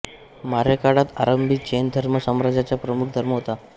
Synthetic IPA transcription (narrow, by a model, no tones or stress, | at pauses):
maɾekaɽat̪aɾəmbʱit̪̚d͡ʑend̪ʱəɾməsəmɾad͡zat͡ɕjapɾəmuk̚ʰd̪ʱəɾməɦot̪a